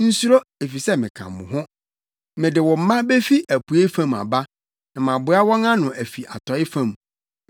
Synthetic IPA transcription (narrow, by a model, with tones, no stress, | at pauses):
n̩˦su˦ɾo˦e˨fi˨sɛ˦mɪ̃˨kʰã̰˨m˨mʊ̰̃˨ɦʊ̃˦ | mɪ̃˨dɪ˨wɔ̃˨m̩˨˦mã˦be˦fi˦ʔæ˨pʰu˨e˦fã˦˨ma̰˨ba˦ | nã˨mã˨bʊ˨˦a˦wɔ̃˦ŋã˦nʊ̃˨ʔæ˨fi˨ʔa˨tʰɔ˨ɪ˦fã˦˨m˨